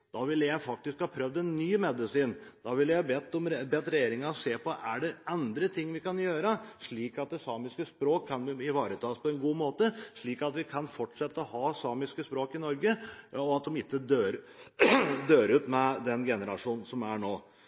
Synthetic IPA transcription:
d̪̥ɑʋɪlːjæɪfɑk̚t̪ɪskhɑːpʰɾœʋd̪ɛnːyːmɛd̪ɪsiːnd̪̥ɑʋɪljæhbɛt̪ːɔmbɛt̪ːɾɛjeːɾɪŋɑɔseːpɔʔæɖɛɾɑnd̪ɾət̪ʰɪŋːʋɪkɑnjøːɾəʂɭiːkɑt̪̚d̪ɛsɑːmɪskəspɾoːkʰːɑnʋɪɪʋɑːɾət̪ʰɑːspʰɔɛnɡuːmoːt̪əʂɭiːkɑt̪ʋɪkʰɑnfɔʈʂɛt̪ːəɔhɑːsɑːmɪskəspɾoːkɪnɔɾɡəɔɑt̪̚d̪ɔmɪt̪ːəd̪øːɾ | d̪øːɾʉːt̪mɛd̪ɛnɡɛnəɾɑʂuːnn̩sɔmæɳoː

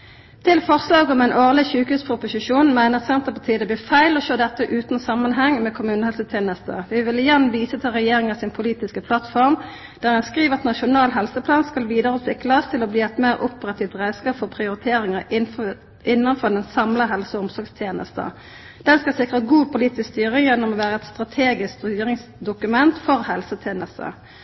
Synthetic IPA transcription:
t̪ʰɪlfɔʁslɑːɡɔmɛɪnʔoːʁlɪçʉːkhʉːspʰʁʊpʊsɪʂuːnmæɪnəʁsɛnt̪əpɑʁt̪ʰiːəd̪ɛblɪːfæɪlɔʃøːd̪ɛt̪ːəʔʉːt̪n̩sɑmːənɦɛŋːmɛkʰʊmʉːnəhɛlsət̪ʰjeːnəst̪ə̰ʋɪʋɪlɪjɛnʋiːsət̪ʰɪlʁɛjeːʁɪŋəsɪnpʰʊliːt̪ɪskəpʰlɑt̪fɔʁm | d̪̥æːʁɛnskʁiːʋəʁɑt̪nɑʃʊnɑːlɦɛlsəpʰlɑːnskɑlʋiːd̪əʁəʉt̪ʋɪkːlɑst̪ʰɪlɔbliːɛt̪meːɾʔʊpəʁɑt̪ʰiːft̪ʁæɪskɑːpfɔʁpʰʁɪʊɾɪt̪ʰeːɾɪŋəɪ | ʔɪnːɑnfɔd̪ɛnsɑmləɦɛlsəɔʊmsɔɾɡst̪ʰjeːnə̰st̪ə̰ | d̪̥ɛnskɑsɪkʁəɡuːpʰʊliːt̪ɪskst̪yːʁəjɛnːɔmɔʋæːʁəɛt̪st̪ʁɑt̪ʰeːɡɪskd̪ɾɪŋsd̪ʊkʉmɛnt̪fɔʁhɛlsət̪ʰjeːnəst̪ə̰

